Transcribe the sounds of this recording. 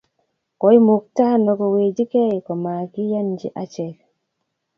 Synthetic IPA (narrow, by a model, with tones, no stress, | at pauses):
ko˨˦jmu˨k̚taː˦nɔ˨ɡɔ˨we˨d͡ʒi˦ke˦jkɔ˨ma˨ki˦ja˦nd͡ʒḭ˦ʔa˦t͡ʃɛk